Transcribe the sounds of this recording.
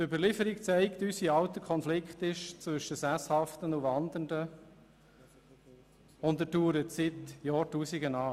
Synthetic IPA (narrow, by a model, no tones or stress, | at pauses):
tʏbəɾlɪfəɾik̚t͡sæɪkt̪ysiɑʊt̪əkʰχɔnflɪkχt̪ɪʃt͡sʋɵʃəsæshɑft̪ənuvɑnd̪əndə | ʊndətuːɾətsɪt̪jɑːɾtuːsiɡənɑː